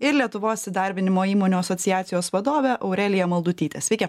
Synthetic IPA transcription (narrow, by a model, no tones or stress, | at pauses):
ɪɾlʲiɛt̪ʊʋoːsʲsʲɪd̪ɑɾʲbʲɪnʲɪmoːiːmoːnʲuɐsɔt̪sʲɪjæːt̪sʲɪjoːsʋɐd̪oːʋʲɛʔɐʊɾʲɛlʲɪjɛmɐlˠd̪ʊt̪ʲiːt̪ʲeːsʋʲɛɪkʲɛ